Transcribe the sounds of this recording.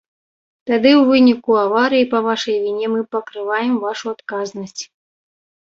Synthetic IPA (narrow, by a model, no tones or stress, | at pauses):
t̪ad̪ɨwvɨnʲikuavaɾɨjipɐvaʂɐjvʲinʲɛmɨpɐkɾɨvajɛmvaʂuat̪kaznɐsʲt͡sʲ